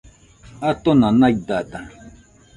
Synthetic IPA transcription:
at̪onãnaid̪at̪a

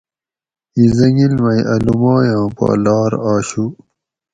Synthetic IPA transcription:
izɐŋilmɐiʔɐlumaːjãːpa̰ːlaːɾaːɕu

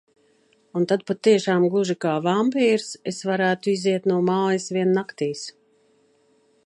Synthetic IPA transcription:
unt̪ad̪̚pat̪ːiɛʃaːmɡˠuʒikaːvampiːɾsesvaɾæːt̪uiziɛt̪nuɔmaːjisviɛnːakt̪iːs

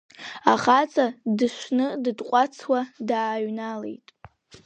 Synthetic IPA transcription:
aχat͡sʰʼadɨʃʷnɨdɨdqʷʼat͡sʰwadaːɥnalḛjtʼ

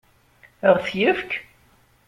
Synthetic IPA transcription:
əʁθjəfk

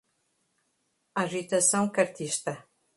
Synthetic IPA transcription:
aʒit̪ɐsɐ̃w̃kɐɾt̪iʃt̪ɐ

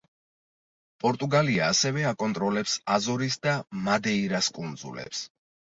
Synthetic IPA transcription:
pʼɔɾt̪ʼuɡaliaːsɛvɛakʼɔnt̪ʼɾɔlɛpsazɔɾisd̪amad̪ɛiɾaskʼund̪zṵlɛ̰ps

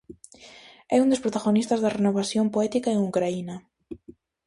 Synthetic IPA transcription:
ɛund̪ospɾot̪aɣonist̪azðarenoβ̞asjompoɛt̪ikaeŋukɾainɐ

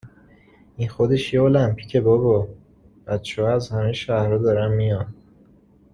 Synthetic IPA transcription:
inxo̞d̪e̞ʃjeolæmpʰi̥cʰe̞bobɒ | b̥æt̪t͡ʃʰehɒæzhæmeʃæhɾɒːd̪ɒːɾæmːijɒn

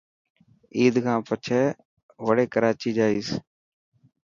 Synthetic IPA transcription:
iːd̪kʰãːpət͡ʃʰɛː | ʋəɽeːkəɾaːt͡ʃiːd͡ʒaːiːs

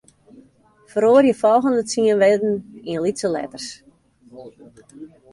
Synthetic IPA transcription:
fəɾoərjəfɔlˠɣəndət͡siənʋɪdn̩inlisəlɛ̰tərs

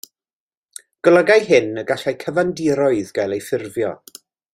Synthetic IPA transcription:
ɡ̥əlˠəɡajhɪnəɡaɬajkʰəvandɪɾɔɨðɡajlˠejfɪrvjɔ̰

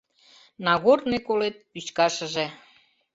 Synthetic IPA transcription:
nɑɣornekolet̪̚pyt͡ɕkɑʃə̆ʒe

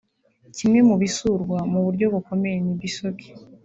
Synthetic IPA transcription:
cimŋe̞muβisuɾɡwamuβuɾɟo̞βuko̞me̞jenibisoki̥

